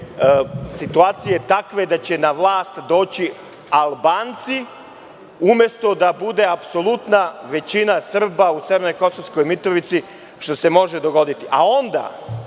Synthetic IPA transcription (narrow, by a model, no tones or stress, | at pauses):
sit̪uaːt̪sijet̪akʋe̞d̪at͡ɕe̞naʋlˠaːst̪d̪o̞ːt͡ɕi | alˠbaːnt̪si | umje̞st̪o̞d̪abud̪e̞apso̞lˠut̪naʋe̞t͡ɕinasr̩bauseʋeɾno̞jko̞sosko̞jmit̪ɾoʋit̪si | ʃt̪o̞se̞mo̞ʒe̞d̪o̞ɡo̞d̪it̪iʔa̰o̞nd̪a̰